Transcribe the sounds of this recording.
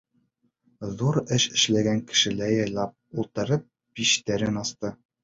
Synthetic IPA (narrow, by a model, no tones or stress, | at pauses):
ðuɾɘʃɘ̆ʃlæɡæŋkɘ̥̆ʃɘ̆læjɑjlˠɑp̚ulˠt̪ɤ̆ɾɤp̚ | b̥iʃt̪æɾɘnɑst̪ɤ